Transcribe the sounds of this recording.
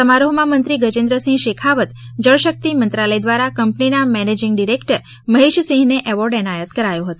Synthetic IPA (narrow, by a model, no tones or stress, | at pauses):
səmaɾoɦmãmənt̪ɾiɡəd͡ʒɪ̃nd̪ɾəsĩŋɡʃekʰaʋət̪d͡ʒəɭʃək̚t̪imənt̪ɾaləjd̪ʋaɾakəmpninamɛned͡ʒɪŋɡɖiɾekʈəɾ | məɦeʃəsĩŋɡneʔɛʋɔɾɖɛnajət̪kəɾajũɦət̪õ